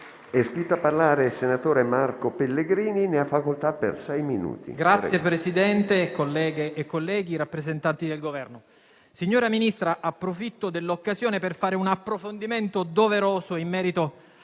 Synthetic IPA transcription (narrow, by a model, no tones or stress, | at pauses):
ɛskɾit̪ːapːarlaːɾesenat̪oːɾemarkopelːeɡɾiːnineafːakolt̪apḛrsɛjminṵːt̪ḭɡɾat̪sːjepɾesid̪ɛnt̪ekːolːɛːɡeʔːkːolːɛːɡiɾapːɾezent̪ant̪id̪elɡovɛrno | siɲːoːɾaminist̪ɾaʔapːɾofit̪ːod̪elːokːazjoːneperfaːɾeunapːɾofond̪iment̪od̪oveɾoːzoimːɛːɾit̪o